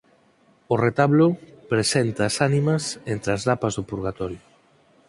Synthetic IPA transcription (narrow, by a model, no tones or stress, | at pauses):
oret̪aβlopɾesent̪aːsanimɐsent̪ɾeazðapɐzðopuɾɣat̪ɔɾjo